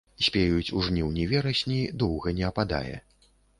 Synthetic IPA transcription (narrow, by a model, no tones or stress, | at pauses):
sʲpʲejut͡sʲuʐnʲiwnʲɛvʲɛɾɐsʲnʲid̪ɔwɣɐnʲɛɐpad̪a̰jɛ̰